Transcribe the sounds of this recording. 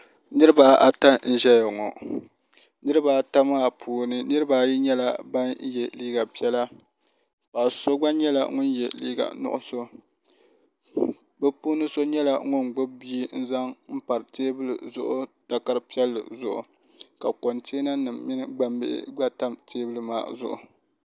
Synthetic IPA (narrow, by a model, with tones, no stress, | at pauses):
nɨ˦ɾɨ˦ba˨ʔa˨ta˦n̩˦ʒɛ˦ja˨ŋɔ˨ | nɨ˦ɾɨ˦baː˨ta˦maː˦˨pʰuː˨˦nɨ˦nɨ˦ɾɨ˦baː˨ji˦ɲɛ˦la˨ba˦n˦jɛ˨liː˦ɡa˨pi˦ɛ˦la˦ | pa˨so˦ɡ͡ba˦ɲɛ˦la̰˨˦ŋʊ˦n˦jɛ̰˨lḭː˦ɡa̰˨nʊ̰˦˨ʔʊ̰˦so˦ | bɛ˦puː˦nɨ˦so˦ɲɛ˦la˨˦ŋʊ˦n˨ɡ͡bʊ˦bi˦n̩˦za˦ŋm̩˦pa˨ɾɨ˨teː˦bɨ˦lɨ̰˨zʊ˦ʔʊ˦ta˦ka˦ɾɨ˦pi˦ɛ˦lːɨ̰˨zʊ˨ʔʊ̰˨ | ka˨ko˨ntʰe˦na˦nɨ˨mːɪ˦nɨ˦ɡ͡ba˦mbɪ̰˦ʔɪ̰˦ɡ͡ba˦ta˦mtʰeː˦bɨ˦lɨ˦ma̰ː˨zʊ˦ʔʊ̰˨